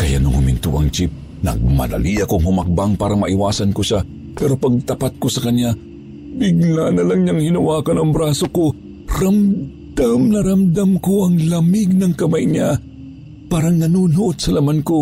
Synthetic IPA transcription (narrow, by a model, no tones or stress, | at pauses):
kɐja̰nʊŋhʊmɪnt̪ṵʔɐ̰ŋt͡ʃip̚ | nɐ̰ɡ̚mɐ̰lɐ̰liʔɐkoŋhʊmɐk̚baŋpaːɾɐmɐʔɪwaːsɐnkoʃa | pɛːɾo̞pɐɡ̚t̪ɐpat̪̚kosɐkɐnja | bɪɡnanɐlɐŋɲaŋhinɐwaːkɐnɐŋbɾaːsoko | ɾɐm | d̪̥amnɐɾɐmd̪amkoʔɐŋlɐmɪɡ̚nɐŋkɐmajɲa | paːɾɐŋnɐnuːnoʔod̪sɐlɐmanko